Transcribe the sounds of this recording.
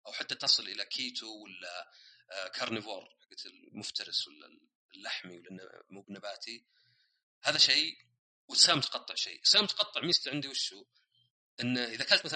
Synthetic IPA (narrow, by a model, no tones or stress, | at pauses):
ʔawħat̪ːat̪ɑsˤɨlʔɪlakʰiːt̪ʰuwɪla | kʰɑɾˤnɪvoːɾˤħaɡːat̪ɪlmʊft̪ɑɾɪswɪl̰ | lːaħmiwɪln̰ːmuːbnabaːt̪ʰi | haːðaʃej | wɪt̪saːmt̪qɑt̪ˤːɨʕʃḛːʔsaːmt̪qɑt̪ˤːɨʕmiːst̪ʕɪnd̪iwɪʃːuː | ʔɪnːʔɪðakalt̪maθ